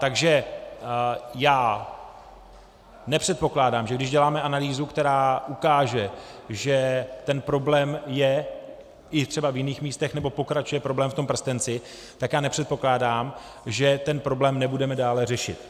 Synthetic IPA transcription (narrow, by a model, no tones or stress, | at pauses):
t̪aɡʒɛ | jaː | nɛpr̝̥ɛt̪̚po̞klaːdaːmʒɛɡdɪʒɟɛlaːmɛʔanaliːzukt̪ɛɾaːʔukaːʒɛʒɛt̪ɛnpɾo̞blɛːmjɛ | ʔɪt̪r̥ɛbavjɪniːxmiːst̪ɛxnɛbo̞po̞kɾat͡ʃujɛpɾo̞blɛːmft̪ompr̩st̪ɛnt͡sɪ | t̪akjaːnɛpr̥ɛt̪̚po̞klaːdaːm | ʒɛt̪ɛnpɾo̞blɛːmnɛbudɛmɛdaːlɛr̝ɛʃɪ̰t̪